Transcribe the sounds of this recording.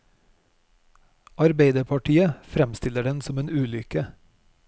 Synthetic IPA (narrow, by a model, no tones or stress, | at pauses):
ɑɾbeɪd̪əpʰɑʈiːəfɾɛmst̪ɪləɖɛnsɔmeːnʉːlʏkə